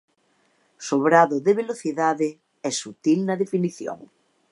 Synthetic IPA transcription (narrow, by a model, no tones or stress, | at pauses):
soβ̞ɾaðʊðeβ̞eloθiðaðe | ɛsut̪ilnɐðefiniθjo̰ŋ